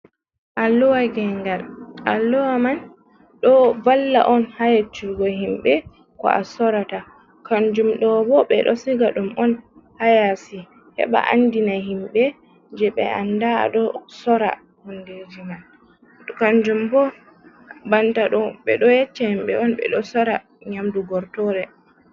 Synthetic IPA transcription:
ʔalːɔwaɡɛŋɡalʔalːɔwaman | ɗɔvalːa̰ʔɔnhajat͡ʃːuɡɔɦimɓɛ | kɔ̰ʔa̰sɔɾata | kaɲd͡ʒumɗɔbɔɓɛ̰ɗɔsiɡaɗumɔn | hajasi | hɛ̰ɓa̰ʔa̰ndinahimɓɛ | d͡ʒɛɓɛ̰andaa̰ɗɔsɔɾa̰ | hɔnded͡ʒiman | kaɲd͡ʒumbɔ | bantaɗɔɓɛɗɔjɛt͡ʃːahimɓɛ̰ɔnɓɛ̰ɗɔsɔɾa | ɲamduɡɔɾtɔɾɛ

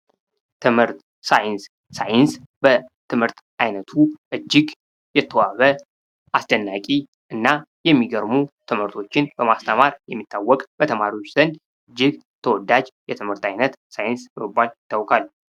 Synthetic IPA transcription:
t̪ʰɨmhɨɾt̪ | sajɪns | sajɪns | bət̪ʰɨmhɨɾt̪ | ʔajnət̪ʰuʔɨd͡ʒːɪɡ | jɛt̪ʰːəwaβə | ʔasd̪ənːakʼi | ʔɨnːajɛmːiɡəɾmut̪ʰɨmhɨɾt̪ʰo̞t͡ʃːɪnbəmast̪ʰəmaɾjɛmːit̪ʰːawːɔkʼb̥ət̪ʰəmaɾiwo̞t͡ʃːzənd̪ | ɨɨd͡ʒːɪɡ | t̪ʰəwɔd̪ad͡ʒjɛt̪ʰɨmhɨɾt̪ajnət̪sajɪnsbməbːaljɪt̪ʰːawkʰal

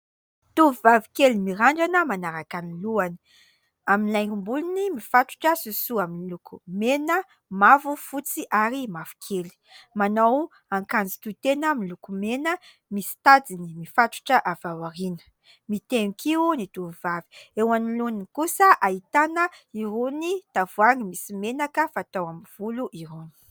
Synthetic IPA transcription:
t̪uvivavi̥kelimiɾaɳɖ͡ʐanəmanaɾakaniluani̥ | aminlajkumbulinimifaʈ͡ʂu̥ʈ͡ʂəsusuaminlukumenə | mavufut͡siʔaɾimavu̥kʰeli̥manow | aŋkand͡zi̥t̪ut̪enəmilukumenə | misi̥t̪ad͡zinimifaʈ͡ʂu̥ʈ͡ʂəʔavawaɾinə̥ | mit̪eŋikʰinit̪uvivavi̥ewanilunikusəʔait̪anəiɾunit̪avuaŋimisimenakəfat̪awamiv̥uluʔiɾoni̥

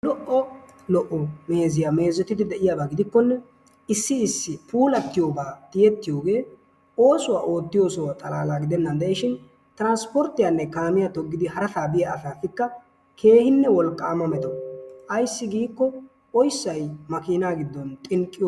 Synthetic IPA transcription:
lɔʔɔ | lɔʔːɔme̞ːzɪjame̞ːzɔt̪ɪd̪ɪd̪ɛʔɪjaːbaːɡɪd̪ɪkːɔnːɛ | ɪsːɪɪsːɪpʰuːlɐt̪ːɪjo̞ːbaːt̪ɪjɛt̪ːɪjo̞ːɡe̞ː | o̞ːsʊwaːʔo̞ːt̪ːɪjo̞ːsɔwat̪ʼɐlaːlaːɡɪd̪ɛnːɐnd̪ɛʔɛʃɪn | t̪ɾanspɔɾt̪ːɪjanːɛkaːmɪjat̪ɔɡːɪd̪ɪhɐɾɐt̪aːbɪjaɐsaːfɪkːɐ | kʰe̞ːhɪnːɛwɔlkʼːaːmɐmɛt̪ɔʔɐjsːɪɡiːkːɔ | ɔjsːɐjmɐkiːnaːɡɪd̪ːɔnt̪ʼɪŋkʼːɪj

